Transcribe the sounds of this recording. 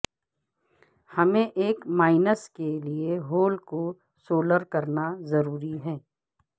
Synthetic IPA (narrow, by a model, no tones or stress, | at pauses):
hɐmẽʔeːkmaːɪnəskelieɦoːlko | soːləɾkɐɾnazɐɾuːɾiɦɛː